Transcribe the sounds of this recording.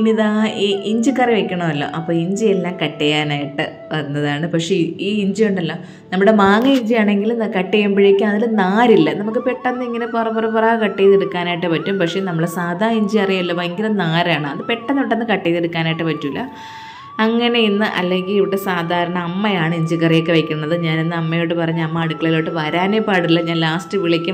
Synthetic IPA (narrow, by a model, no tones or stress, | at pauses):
inːiðaiʔiɲd͡ʑɨkːɐriʋekʲːɐɳɐmɐlːo̰ːʔɐpːo̞ːiɲd͡ʑielːaːmkɐʈːejaːnaːjiʈːɨ | ʋɐnːɐðaːɳɨpɐkʂeiːiɲd͡ʑijuɳɖɐlːoː | nɐmːɨɽe̞maːŋɨiɲd͡ʑijaːɳe̞ŋɡilnkɐʈːejumbiɻikʲːɨmɐðilɨnaːɾilːɐnɐmuk̬ːɨpe̞ʈːɐnːɨiŋːɐneporɐpːorɐpuraːkɐʈːejiðeɽukːaːnajiʈːɨpɐtːumpɐkʂe̞nɐmːuɽe̞saːd̪ʱaːiɲd͡ʑiɐrijɐlːɐʋɐeŋɡilumnaːɾaːɳɨɐðɨpe̞ʈːɐnːiʋiʈːɐnːɨkɐʈːejiðeɽukːaːnaːjʈːɨpɐtːuilːɐ̰ | ɐŋːɐne̞inːɨʔɐ̰lːe̞ŋɡiliʋiɽe̞saːd̪ʱaːɾɐɳɐːmːɐjaːɳɨiɲd͡ʑikːɐrijekːeʋɐjkʲːunːɐðɨɲaːninːɨɐmːɐjoːʈːɨpɐrɐɲːɐmːɐːɽukːɐɭiloːʈːɨʋɐɾaːnepːaːɽilːɐɲaːnlaːstɨʋiɭikʲːu